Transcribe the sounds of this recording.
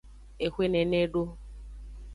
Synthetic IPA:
e˨xʷe˦ne˨ne˦ɖo˦

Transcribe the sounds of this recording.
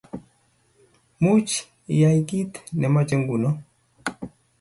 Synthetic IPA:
mu˦t͡ʃ | ja˨iɡi˦t̪nɛ˨mɔ˦t͡ʃɛ˦ŋɡu˨nɔ˦

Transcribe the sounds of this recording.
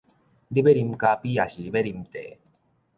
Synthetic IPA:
li˦be˦ɾi˧mka˧pi˦a˨ɕi˨ɾi˦be˦ɾi˧mt̪e˨

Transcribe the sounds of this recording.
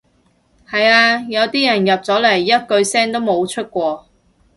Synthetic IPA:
hɐ˨jaː˧jɐ˨˧wt̪iː˥jɐ˨˩njɐ˨p̚t͡sɔː˨˥lɐ˨˩jːɐ˥t̚kɵ˧ɥsɛː˥ŋt̪o˥wmo˨˧wt͡ʃʰɵ˥t̚kʷɔː˧

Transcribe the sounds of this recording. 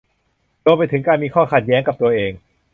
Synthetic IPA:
ɾu˧mpa˧jt̪ʰɯ˩˦ŋkaː˧nmiː˧kʰɔː˥˩kʰa˨˩t̪̚jɛː˦˥ŋka˨˩p̚t̪u˧ɐʔeː˧ŋ

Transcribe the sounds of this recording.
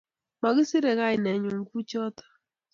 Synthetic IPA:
ma˨ɣɪ˦sɪ˦ɾɛ˨ɣa˦ɪ˨nɛ˨ɲu˨ŋ˦ɡu˦t͡ʃɔ˦tḁ˨

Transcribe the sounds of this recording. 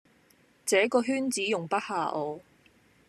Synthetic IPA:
t͡sɛː˨˥kɔː˧ɦyː˥nt͡siː˨˥jʊ˨˩ŋpɐ˥t̚haː˨˧ʔɔː˨˧

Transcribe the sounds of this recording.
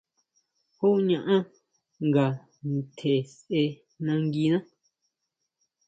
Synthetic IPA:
hu˦ɲã˧ʔã˦ | ŋɡa˨ | nt̪ʰe˨sʔe˧ | nã˧ŋɡi˧nã˦

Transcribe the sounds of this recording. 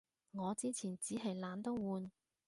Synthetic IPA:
ŋɔː˨˧t͡siː˥t͡sʰiː˨˩nt͡siː˨˥ɦɐ˨˩jlaː˨˧nt̪o˥wwuː˨˧n

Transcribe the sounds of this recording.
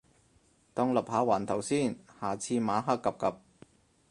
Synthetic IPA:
t̪ɔː˧ŋlɐ˨p̚haː˨˧˥waː˨˩nt̪ʰɐ˨˩wsiː˥˩nhaː˨˩t͡sʰiː˧maː˨˥ɦaː˥kːɐ˨p̚kɐ˨p̚

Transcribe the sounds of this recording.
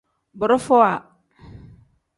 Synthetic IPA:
bʊ˨ɾʊ˦fɔ˦a˨

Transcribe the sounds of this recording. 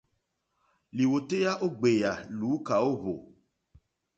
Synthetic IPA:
li˨wo˨t̪e˦ja˦ʔo˦ɡ͡be˨ja˨lu˨˦ka˨wo˦βo˨

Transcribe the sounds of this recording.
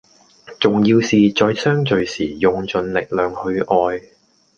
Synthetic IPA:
t͡ʃʊ˨ŋjiː˧wsiː˨t͡ʃɔː˧jsœː˥ŋt͡ʃɵ˨ɥsiː˨˩jʊ˨ŋt͡ʃɵ˧nlɪ˨k̚lœː˨˩ŋhɵ˧ʔɔː˧j

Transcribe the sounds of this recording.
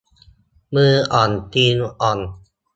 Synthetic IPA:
mɯː˧ʔɔ˨˩nt̪i˧nʔɔ˨˩n

